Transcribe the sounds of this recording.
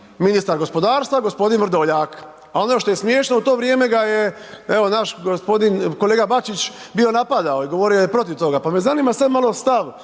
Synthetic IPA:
minist̪aɾɡo̞spo̞d̪aːɾst̪ʋaɡo̞spo̞d̪inʋɾ̩d̪oʎaːk | ao̞noʃt̪ojesmjeːʃnout̪o̞ːʋɾjeːme̞ɡajeeʋo̞naʃɡospo̞d̪inko̞leːɡabat͡ʃit͡ʃ | bio̞napad̪aoiɡo̞ʋo̞ɾijojepɾo̞t̪iʋt̪o̞ɡapamezaniːmasab̪malo̞st̪aʋ

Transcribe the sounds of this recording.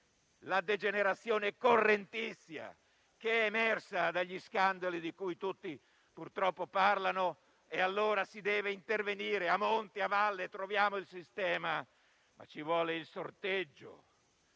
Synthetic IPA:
lad̪ed͡ʒeneɾat̪sːjoːneɛkorːent̪isːja̰ | keɛːmɛrsad̪aʎːiskand̪alid̪ikujt̪ut̪ːi | purt̪ɾɔpːoparlano | ealːoːɾasid̪ɛːveint̪erveniːɾeamont̪iavalːet̪ɾovjaːmoilsist̪ɛːma | ma̰t͡ʃivwɔːleilsort̪ed͡ʒːo̰

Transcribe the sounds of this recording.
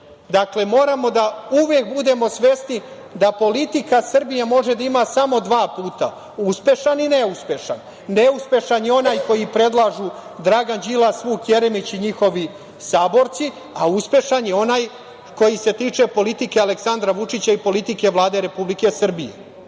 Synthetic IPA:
d̪akle̞mo̞ːɾamo̞d̪auʋjek̚bud̪e̞mo̞sʋe̞sni | d̪apo̞lit̪ikasr̩bijamo̞ʒe̞d̪aimasamo̞d̪ʋaːpuːt̪a | uspʲe̞ʃanineuspe̞ʃanː | e̞uspʲe̞ʃanjeo̞naːjko̞jipɾe̞d̪lˠaʒud̪ɾaɡand͡ʑilasʋuːkje̞ɾemit͡ɕiɲixo̞ʋi | saːbo̞ɾt̪si | auspe̞ʃanjeo̞naːj | ko̞jise̞t̪iːt͡ʂe̞po̞lit̪ike̞aleksand̪ɾaʋut͡ʂit͡ɕaipo̞lit̪ike̞ʋlˠaːd̪e̞ɾe̞publike̞sr̩bijḛ

